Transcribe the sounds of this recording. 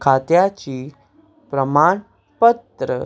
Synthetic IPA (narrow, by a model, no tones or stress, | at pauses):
kʰat̪jat͡ɕiː | pɾəmaɳ | pət̪ɾə̰